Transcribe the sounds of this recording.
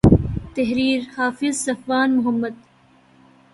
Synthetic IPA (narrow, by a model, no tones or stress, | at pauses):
t̪ɐɦɾiːɾhaːfɪzsɐfwaːnmʊɦɐmːɐd̪̚